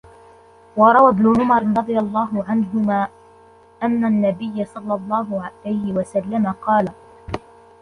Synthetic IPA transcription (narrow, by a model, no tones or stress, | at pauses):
wɑɾˤɑwabnʊʕʊmɑɾɾˤɑd̪ˤɨjalˤːɑːɦʊʕanɦʊmaː | ʔanːanːabɪjːasˤɑlːɑlˤːɑːɦʊʕalajhɪwasalːamaqɑːla